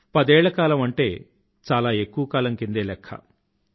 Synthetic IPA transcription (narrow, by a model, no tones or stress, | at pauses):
pɐd̪ɛːɭːɐkaːlɐmɐɳʈe̞ː | t͡ʃaːlaːe̞kːuʋɐkaːlɐŋkind̪eːlɛkʰːɐ̰